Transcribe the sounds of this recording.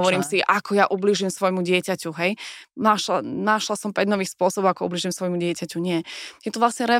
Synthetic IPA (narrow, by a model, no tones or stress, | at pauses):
ɔʋɔɾiːmsiʔakʰɔjaʔubliːʒimsʋɔjmuɟɪɛcacuɦɛjnaʃanaʃlasɔmpɛɟnɔʋiːxspʊɔsɔbɔʊakɔṵbliːʒimsʋɔjmuɟɪɛcacuɲɪɛjɛt̪uʋlasɲɛɾɛ